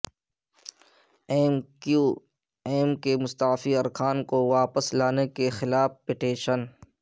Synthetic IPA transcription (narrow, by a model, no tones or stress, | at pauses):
mu | eːmkemʊst̪aːfiɐɾkʰaːnkoʋaːpəslaːnekexɪlaːfpɪʈeːʃən